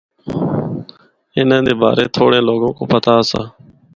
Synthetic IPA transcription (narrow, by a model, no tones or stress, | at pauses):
ɪnẽːd̪eːba̰ːɾeːt̪ʰoːɽẽːloːɡõːkoːpət̪aːəsã̰ː